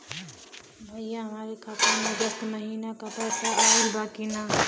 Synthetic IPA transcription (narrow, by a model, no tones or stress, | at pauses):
bʱəjjaɦəmaːɾekʰaːt̪əɾmẽd͡ʒəst̪məɦiːnakapɛːsaɐilbaːkina